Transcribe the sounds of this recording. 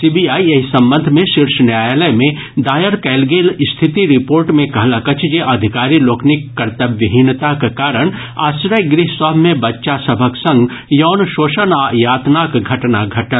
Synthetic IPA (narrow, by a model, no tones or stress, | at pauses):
sibiaːieɦisɐ̃mbə̃nd̪ʱmẽʃɪɾʃnjaːjləjmẽ | d̪aːjəɾkɛːlɡeːlɪst̪ʰɪt̪iɾɪpoːɾʈmẽkɐɦlakɐt͡ʃʰd͡ʒeʔɐd̪ʱɪkaːɾiloːkʰnɪkːɐɾt̪əbʋəɦint̪akekaːɾəɽ̃ | a̰ːsɾəjɡɾɪɦsɔːbmẽbɐtːʃasɐbʱəksɐ̃ŋɡ | jɔːnʃoːʃənajaːt̪nakɡʱɐʈnaɡʱɐʈəl